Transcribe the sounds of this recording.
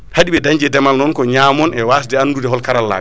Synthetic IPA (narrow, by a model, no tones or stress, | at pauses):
haɗiɓɛdaɲd͡ʒɛdɛmalnɔnkɔɲamɔnʔɛwaːs̬dɛandudɛɦɔlkaɾalːa̰ːɡ